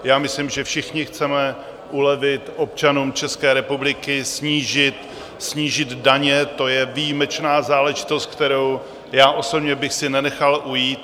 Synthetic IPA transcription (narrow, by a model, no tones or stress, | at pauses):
jaːmɪslimʒɛfʃɪxɲɪxt͡sɛmɛ | ʔulɛvɪt̪ʔo̞p̚t͡ʃanuːmt͡ʃɛskɛːɾɛpublɪkɪsɲiːʒɪt̪ | sɲiːʒɪd̪daɲɛt̪o̞jɛvijimɛt͡ʃnaːzaːlɛʒɪt̪o̞st̪̚k̚t̪ɛɾo̞w | jaːʔo̞so̞bɲɛbɪxsɪnɛnɛxalʔujiːt̪